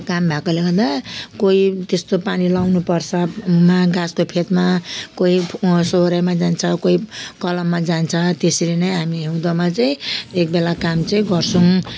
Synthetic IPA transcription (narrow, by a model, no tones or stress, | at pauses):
kambʱakoleɡʌrd̪akoit̪est̪opanilawnupʌrt͡sʰʌmaɡaskopʰet̪makoisoɾajmad͡zant͡sʰʌkoikʌlʌmːad͡zant͡sʰʌt̪esilenʌjɦamiɦewd̪ʌmat͡saĩek̚belakamt͡saĩɡʌrt͡sʰʌŋ